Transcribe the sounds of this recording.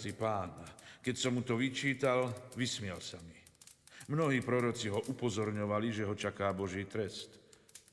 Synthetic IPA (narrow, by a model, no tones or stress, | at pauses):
ipaːnkɛcsɔmːut̪ɔʋit͡ʃiːt̪alʋismɪɛlsami | mnɔɦiːpɾɔɾɔt͡siɦɔʔupɔzɔɾɲɔʋaliʒɛɦɔt͡ʃakaːbɔʒiːt̪ɾɛst̪